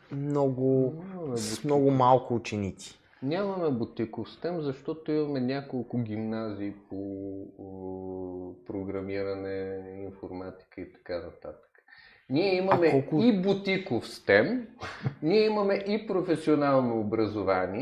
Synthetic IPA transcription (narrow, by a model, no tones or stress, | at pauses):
mnɔɡʊnʲamɐmɛbmnɔɡʊmalˠkʊːt͡ʃɛnit̪si̥ | nʲamɐmɛbʊt̪ikofst̪ɛmzɐʃt̪ɔt̪oimɐmɛnʲakolˠkʊɡʲimnaziːpo | pɾoɡɾɐmiɾɐnɛinfoɾmat̪i̥kəit̪ɐ̥kanɐt̪a̰t̪ə̥kə̥ | nʲiɛimɐmɛɔkibʊt̪ikofst̪ɛm | nʲiɛimɐmɛʔipɾofɛsionalˠnoːbɾəzovani